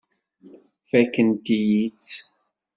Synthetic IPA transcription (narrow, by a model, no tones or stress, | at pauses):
fækənd̪ijit͡s